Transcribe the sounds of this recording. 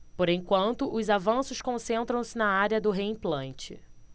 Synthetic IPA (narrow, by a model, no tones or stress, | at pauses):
poɾẽj̃kwɐ̃nt̪ʊʔʊzavɐ̃sʊʃkõsẽnt̪ɾɐ̃w̃sɪnɐaɾjɐd̪ʊɦeĩplɐ̃nt͡ʃɪ̰